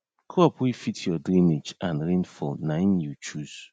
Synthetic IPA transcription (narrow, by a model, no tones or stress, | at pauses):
kʰoɔpwifitʰjɔdɾĩmed͡ʒãnɾẽnfɔnaɪ̃njut͡ʃuz̥